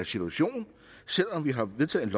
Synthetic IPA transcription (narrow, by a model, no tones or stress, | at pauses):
sit͡sʰuæɕo̝̰ːnn̩ | sel̰ɒ̽mʋiɦɑ̈ʋe̝ðˠt͡sʰɛ̰ð̩ˠenlɒ